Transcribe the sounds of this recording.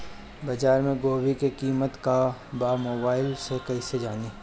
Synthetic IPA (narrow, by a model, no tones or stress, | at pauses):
bɐd͡ʒaːɾmẽɡoːwikekiːmət̪kabaːmoːbaːɪlsekɐised͡ʒaːniː